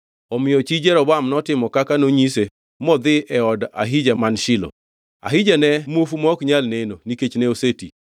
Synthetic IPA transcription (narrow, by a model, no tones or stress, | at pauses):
ɔmɪjɔt͡ʃid͡ʒɛɾɔbamnɔtɪmɔkakanoɲise | mɔd̪ɪʔɛɔda̰ɦɪd͡ʒamanʃɪlo̰ | a̰ɦɪd͡ʒanɛmofumɔkɲalnenoniket͡ʃneoseti